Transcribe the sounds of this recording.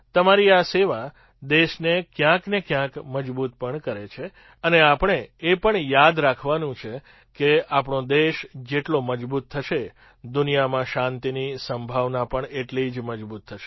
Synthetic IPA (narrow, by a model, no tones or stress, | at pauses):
t̪əmaɾiaseʋa | d̪eʃnekjãknekjãkməd͡ʒbut̪̚pəɳkəɾet͡ʃʰe | əneapəɳ̃eepəɳjad̪ɾakʰʋanũt͡ʃʰe | keapɳõd̪eʃd͡ʒeʈloməd͡ʒbut̪ʰːəʃe | d̪unijamãʃãnt̪inisəmbʱaʋnapəɳeʈlid͡ʒməd͡ʒbut̪ʰːəʃe